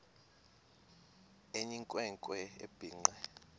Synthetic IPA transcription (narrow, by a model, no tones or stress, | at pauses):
eɲiŋkʼwɛŋkʼwɛḛb̥ʱiːŋ͡ǀɛ